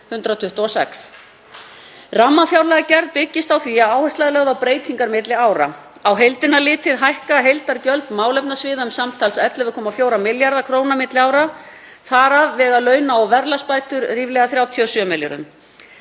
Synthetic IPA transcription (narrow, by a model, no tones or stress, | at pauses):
hʏnt̪ɾat̪ʰʏht̪ɔɔsɛ̰ks | ramːafjawɾlɛɣacɛɾðpɪcːɪst̪awθviaaːwhɛst̪ajðlɛɣðawpɾeːjt̪ʰiŋkaɾmɪt̪lɪaːwɾa̰ | awɦejlt̪ɪnalɪːt̪ɪðɦajhkaɦejlt̪aɾcœlt̪maːwlɛp̚nasvɪːðaʏmsamt̪ʰalsɛt̪lɪvʏkʰɔːmafjoːwɾamɪljaɾðakʰɾoːwnamɪt̪lɪaːwɾa | θaɾavːɛːɣalœːɥnaɔɣvɛɾlaspaːjt̪ʏɾriːvlɛɣaθɾjaːwt̪ʰiɔsœmɪlʏ̰ɾʏ̰m